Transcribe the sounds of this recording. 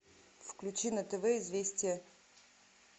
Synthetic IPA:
fklʲʉt͡ɕinət̪ɛvɛɪzvʲesʲtʲɪjə

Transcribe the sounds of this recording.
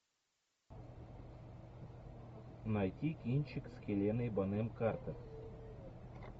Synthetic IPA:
nɑjt̪ʲikʲinʲt͡ɕɘkskʲelʲenejbɤnemkɑrt̪ɤ̆t

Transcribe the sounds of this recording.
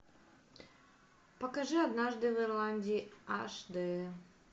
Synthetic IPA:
pɐkɐʐɨɐd̪naʐd̪ɨvɨrlˠanʲdʲiːaʂd̪ɨ

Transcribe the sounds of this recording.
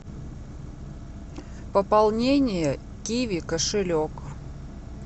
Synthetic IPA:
pəpalˠnʲenʲɪjə | kʲivʲikəʂɨlʲok

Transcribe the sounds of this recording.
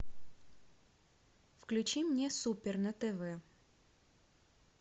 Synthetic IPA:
fklʲʉt͡ɕimnʲesupʲɪrnət̪ɛvɛ

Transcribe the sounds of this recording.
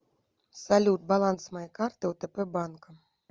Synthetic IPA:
salʲut̪̚balˠansmajɛkart̪ɨwt̪ɛpɛbankɐ

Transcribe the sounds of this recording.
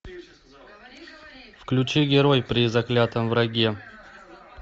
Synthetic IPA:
fklʲʉt͡ɕiɡʲɪɾojpɾʲɪzɐklʲat̪əmvɾɐɡʲe

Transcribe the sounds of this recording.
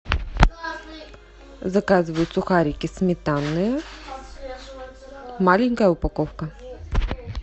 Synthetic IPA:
zɐkazvɐjut̪sʊxaɾʲikʲismʲɛt̪anːəjə | malʲiŋkəjɛʊpɐkɔfkə

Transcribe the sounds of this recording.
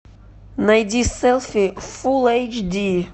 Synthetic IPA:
najd̪isɛlˠfifulejt͡ʃd̪i

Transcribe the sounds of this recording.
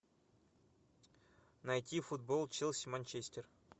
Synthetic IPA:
nɐjtʲifud̪̚bolˠt͡ɕɪlˠsʲmɐnʲt͡ɕesʲtʲer

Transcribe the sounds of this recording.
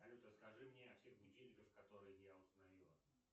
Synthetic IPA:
ɐlʲut̪ɾəskɐʐɨmnʲeɐfsʲe̞xbʲɪt͡ɕʲenʲɪkəfkɐt̪o̞ɾɨjəjaʊst̪ənɐvʲilˠə

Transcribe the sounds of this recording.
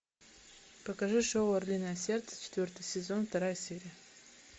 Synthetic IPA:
pɐkɐʐɨʂowɐrlʲinajɐsʲert̪sə̥t͡ʃʰe̥t̪vʲo̞rt̪ɨjsʲezo̞nft̪ɐɾajɐsʲeɾʲijɐ

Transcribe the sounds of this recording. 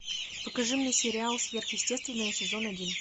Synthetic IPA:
pəkɐʐɨmnʲesʲɪɾʲɪalˠsvʲe̞rxjɪsʲtʲe̞st̪vʲɪnːəjəsʲɪzo̞nɐdʲin

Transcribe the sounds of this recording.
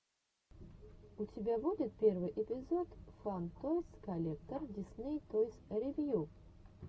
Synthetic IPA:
ʊtʲɪbʲavudʲɪt̪̚pʲervɨjʔɪpʲɪzot̪fant̪ojskɐlʲek̚t̪ərdʲɪsnʲejt̪ojsʲɾʲɪvʲju

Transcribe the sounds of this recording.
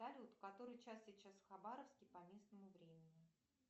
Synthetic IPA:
alʲut̪ʊ̥kɐt̪o̞ɾɨjt͡ɕasʲit͡ɕasfxɐbaɾəfskʲɪjpɐmʲe̞snəmʊvɾʲemʲɪnʲɪ

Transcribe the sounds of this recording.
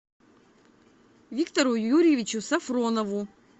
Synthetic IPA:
vʲikt̪ɐɾʊjuɾʲɪjɪvʲɪt͡ɕʊsɐfɾonɐvʊ

